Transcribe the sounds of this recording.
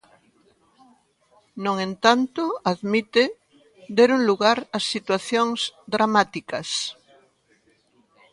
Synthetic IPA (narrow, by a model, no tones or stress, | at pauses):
nõŋẽnt̪ant̪oaðmit̪e | d̪eɾuŋluɣaɾasːit̪waθjoŋzd̪ɾamat̪ikɐs